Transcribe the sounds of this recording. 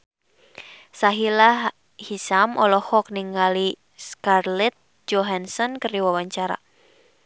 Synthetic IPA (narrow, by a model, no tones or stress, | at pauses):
saɦilah | hisamɔlɔhɔk̚niŋali | skarlɛt̪̚ | d͡ʒɔɦansɔnkɨriwawaɲt͡ʃaɾa̰